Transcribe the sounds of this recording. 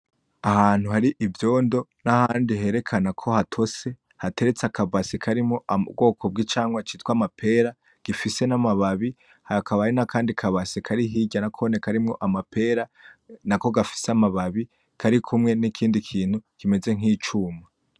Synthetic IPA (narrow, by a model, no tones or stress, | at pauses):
ahaːn̥huhaɾiʔivjo̞ːndo̞nahaːndiɦe̞ɾe̞kʰanakʰo̞hatʰo̞se̞ | hate̞ɾe̞t͡sakʰavasikʰaɾimŋo̞ʔaṵbɡo̞ːkʰo̞b̚ɡit͡ʃaːŋɡwat͡ʃitkwamapʰe̞ɾa | ɡ̥ifise̞namaβaβi | haakʰaβainakʰaːndikʰaβasikʰaɾiɦiːɟanakʰonekaɾimŋo̞ʔamapʰe̞ːɾanako̞ɡafi̥seamaβaβi | kʰaɾikʰumŋe̞nikʰiːndikʰiːn̥hukime̞ze̞ŋ̥iːt͡ʃuma